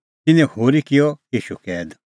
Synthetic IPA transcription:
t̪ɪnɛ̃hoːɾikɪjɔjiːʃukɛːd̪

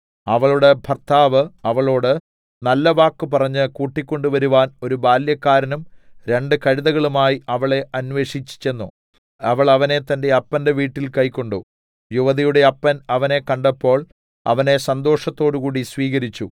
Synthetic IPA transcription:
ɐʋɐɭuɽe̞bʱɐrt̪ʰaːʋɨɐʋɐɭo̞ːɽɨ | nɐlːɐʋaːkːɨpɐrɐɲːɨkuːʈːikʲːo̞ɳɖuʋɐɾuʋaːno̞ɾubaːljɐkːaːɾɐnumɾe̞ɳɖɨkɐɻiðɐɣɐɭumaːjiɐʋɐɭe̞ʔɐnʋe̞ːʂit͡ɕːi̥t͡ɕːe̞nːu | ɐʋɐɭɐʋɐne̞t̪ːɐnde̞ɐpːɐnde̞ʋiːʈːilkɐjkʲːo̞ɳɖu | juʋɐðijuɽe̞ɐpːɐnɐʋɐne̞kɐɳɖɐpːo̞ːɭ | ɐ̰ʋɐne̞sɐnd̪o̞ːʂɐt̪ːo̞ːɽukuːɽisʋiːɣɐɾit͡ɕːu

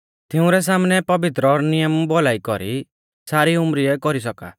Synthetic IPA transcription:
t̪eũɾɛs̬amnɛpɔbit̪ɾɔɾnijɔmbɔlaikɔɾi | saɾiumɾiɛkɔɾisɔka̰

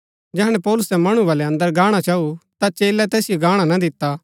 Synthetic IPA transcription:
d͡ʒɛɦɽ̃ɛpɔːlʊsɛmɐɽ̃uʋaːlɛɐ̃nd̪əɾɡaːɽ̃at͡ʃaːut̪at͡ʃeːlɛt̪ɛːsɪjoɡaːɽ̃anad̪ɪt̪ːa

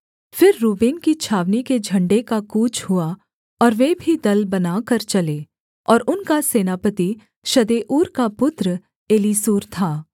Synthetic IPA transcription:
fɪɾːuːbiːnkit͡ʃʰaːʋniked͡ʒʱɐ̃ɳɖekakuːt͡ʃhua | ɔːɾʋeːbʱid̪ɐlbɐnaːkɐɾt͡ʃɐleː | ɔːɾʊnkaseːnaːpət̪i | ʃɐd̪eːʔuːɾkapʊt̪ɾə | eːliːsuːɾt̪ʰaː

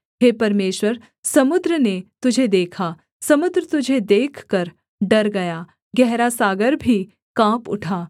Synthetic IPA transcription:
ɦeːpɐɾmeːʃwəɾ | sɐmʊd̪ɾənet̪ʊd͡ʒʱed̪eːkʰa | sɐmʊd̪ɾət̪ʊd͡ʒʱed̪eːkʰkɐɾ | ɖɐɾɡɐjaː | ɡɛɦɾasaːɡəɾbʱi | kãːpʊ̰ʈʰaː

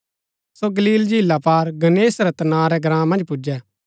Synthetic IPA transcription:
soɡəliːld͡ʒʱilːapaːɾɡɐneːsɾɛt̪ɐnãːɾɛɡɾãːmɐ̃nd͡ʒpʊd͡ʒɛː

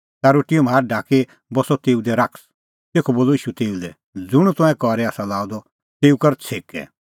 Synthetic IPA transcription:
t̪aɾoːʈijɔmɦaːɾɖʱaːke | bɔsɔt̪eːud̪ɛɾakʰs | t̪eːkʰɔboːlɔiːʃut̪eːulɛ | d͡zʊɽ̃ut̪ʊ̃ɛ̃kɔɾɛaːsalaːud̪ɔ | t̪eːukɐɾt͡sʰeːkɛ̰

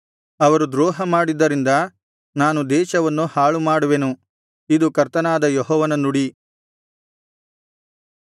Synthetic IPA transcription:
ɐʋɐɾud̪ɾɔːɦɐmaːɽid̪ːɐɾind̪ɐ | naːnud̪ɛːʃɐʋɐnːuhaːɭumaːɽuʋe̞nu | id̪ukɐɾt̪ɐnaːd̪ɐjɔɦɔːʋɐnɐnuɽi

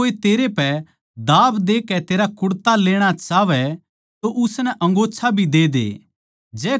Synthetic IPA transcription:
oːet̪eːɾepɛ | d̪aːbd̪eːkɛt̪eːɾakʊɽt̪aleːɽ̃at͡ʃaːʋɛ | t̪oʔʊsnɛʔɐ̃ŋɡoːt͡ʃʰabʱid̪eːd̪ḛː | d͡ʒɛː

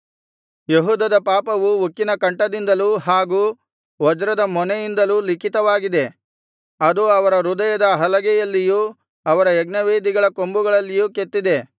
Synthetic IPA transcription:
jeɦuːd̪ɐd̪ɐpaːpɐʋuukːinɐkɐɳʈɐd̪ind̪ɐluːɦaːɡuː | ʋɔd͡ʒɾɐd̪ɐmɔnɛjind̪ɐlulikʰit̪ɐʋaːɡid̪e̞ | ɐd̪uɐʋɐɾɐɾud̪ɐjɐd̪ɐɦɐlɐɡɛjɐlːijuː | ɐʋɐɾɐɛɡnɐʋeːd̪iɡɐɭɐkombuɡɐɭɐlːijuːket̪ːid̪e̞

